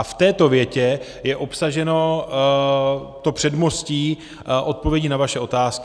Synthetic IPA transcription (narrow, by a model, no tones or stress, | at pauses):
aft̪ɛːt̪o̞vjɛcɛ | jɛʔo̞psaʒɛno̞ | t̪opr̥ɛdmo̞sciː | ʔo̞t̪̚po̞vjɛɟiːnavaʃɛʔo̞t̪aːsk